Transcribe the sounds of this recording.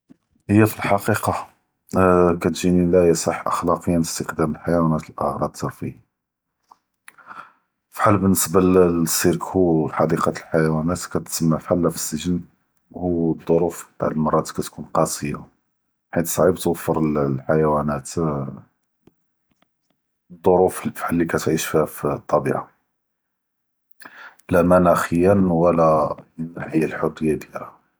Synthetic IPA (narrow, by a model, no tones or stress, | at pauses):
həjːæfilħɑqiqɑ | kæt̪ʒinilæjæsˤɑħʔə̰xlɑqəjːænəst̪əqd̪æməlħajwænæt̪lʔə̰ɣɾˤɑb̪̚t̪əɾfi | fħalːbənːəsbalsːiɾkhuħɑd̪iqɑlħajwænæt̪kæt̪səmːafħalːæfə̥sːəʒən | whud̪ˤːoɾufbt̪a̰ʕəlmɑrˤːɑt̪kæt̪kunqɑsˤəjːa | ħit̪sˤʕibt̪wəfːəɾˤəlħajwænæt̪ | d̪ˤːoɾuffħalːikæt̪ʕiʃfihæft̪ˤːɑbḭʕa | læmænæxəjːənwəlæənːaħəjːalħorːəjːad̪jæɾh